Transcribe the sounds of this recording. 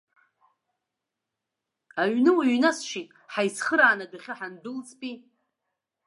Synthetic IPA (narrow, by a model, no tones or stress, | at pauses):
aɥnɨwaɥnasʃitʼħajsχəɾaːnadaχʲaħandɨlt͡sʰʼpʼi